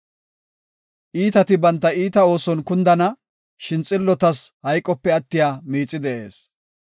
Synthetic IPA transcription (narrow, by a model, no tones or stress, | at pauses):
ʔiːt̪ɐt̪ɪbɐnt̪ːɐiːt̪ɐo̞ːsɔnkʊnd̪ɐnɐ | ʃɪnt͡sʼːɪlːɔt̪ɐshɐjkʼːɔpːɛɐt̪ːɪjaːmiːt͡sʼːɪd̪ɛʔe̞ːs